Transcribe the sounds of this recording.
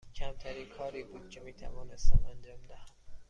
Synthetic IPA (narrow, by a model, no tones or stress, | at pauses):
cʰæmt̪ʰæɾiːnkʰɒːɾiːbuːd̪̥̚cʰemiːt̪ʰæ̰vɒːnest̪æmænd͡ʒɒːmd̪æhæm